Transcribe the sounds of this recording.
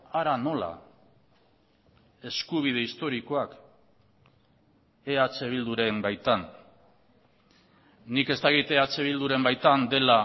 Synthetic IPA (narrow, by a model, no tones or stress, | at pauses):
aɾano̞la̰ | e̞skuβ̞ið̞e̞ist̪o̞ɾiko̞ak | eat͡se̞β̞ild̪uɾe̞mbajt̪an | ike̞st̪akit̪eat͡se̞β̞ild̪uɾe̞mbajt̪and̪e̞la